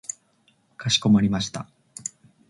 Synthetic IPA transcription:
kaɕi̥ko̞maɾʲimaɕi̥t̪a

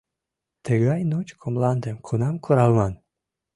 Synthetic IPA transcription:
t̪əɣɑjnot͡ɕkʰomlɑnd̪əmkʰunɑmkʰuɾɑlmɑn

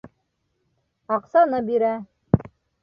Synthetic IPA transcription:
ɑqsɑnɤbiɾæ

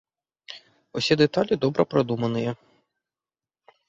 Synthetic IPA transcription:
usʲid̪et̪alʲid̪ɔbɾʔɐpɾɐd̪umɐnɪjɛ

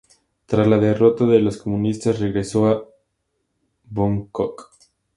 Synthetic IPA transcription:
t̪ɾazlaðe̞ro̞t̪aðelosko̞mũnist̪asre̞ɣɾe̞so̞a | βoŋkok

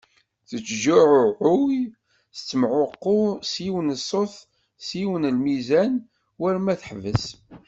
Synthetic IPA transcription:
θət͡sːʒʊʕʊʕʊw | θə̥t͡sːəmʕʊqːʊsiwənəsˤːoθ | siwənəlmizæn | wæɾmæθəħvəs

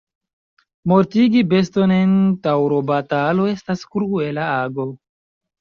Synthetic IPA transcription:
mo̞ɾtiɡibe̞sto̞ne̞ntawɾo̞batalo̞e̞staskɾue̞laaɡo̞

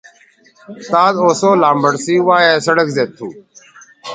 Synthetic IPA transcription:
t̪aːd̪oːsoːlaːmbəɽsiːʋaːeːsəɽəkzeːt̪ʰːuː

